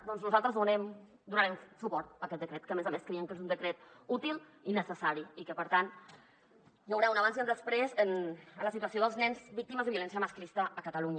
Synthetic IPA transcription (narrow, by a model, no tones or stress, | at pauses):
d̪ɔnznuzalˠt̪ɾəzðunɛm | d̪unəɾɛmsupɔɾt̪̚əkɛt̪̚d̪əkɾɛt̪kəmezameskɾeiəŋkezund̪əkɾɛt̪̚ut̪ilˠ | inəsəsaɾiikəpəɾt̪an | jəwɾɛwunəβanzənd̪əspɾezənənləsit̪uəsioðəlˠznɛnzbik̚t̪iməzðəβiulɛnsiəməsklist̪əːkət̪əluɲə